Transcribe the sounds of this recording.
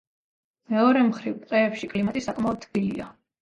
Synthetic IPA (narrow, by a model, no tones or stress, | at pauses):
mɛɔɾɛmχɾivpqʼɛːpʃikʼlimat̪ʼisakʼmaɔd̪̚d̪ɡilia̰